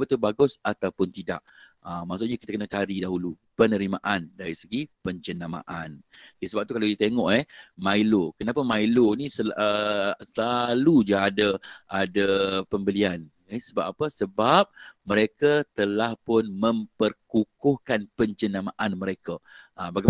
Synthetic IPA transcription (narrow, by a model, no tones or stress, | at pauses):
bət̪ubaɡʊsat̪awpʊnt̪ida̰ʔəmːasuʔɲakit̪akənat͡ʃaɾidaɦulupənəɾimaʔandaɾisəɡipəɲt͡ʃənama̰ʔanjasəbap̚t̪ukalaodit̪eŋɔʔɛhmailokənapamailonisəəsəlalud͡ʒaadaʔadapəmbəlian | ɛsəbap̚apəsəbap̚məɾekat̪əlahpʊnmə̃mpərkukʊhkanpəɲt͡ʃənamaʔanməɾekaʔːbaɡa